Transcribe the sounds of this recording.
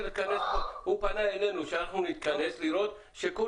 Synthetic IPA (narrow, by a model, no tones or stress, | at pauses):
t̪kanesupanaelenuʃaɦunit̪̚kanesliɾot̪̚ | ʃeku